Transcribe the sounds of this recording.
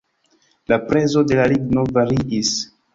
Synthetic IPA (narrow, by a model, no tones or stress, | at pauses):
lapɾe̞zo̞de̞laliɡno̞vaɾiʔis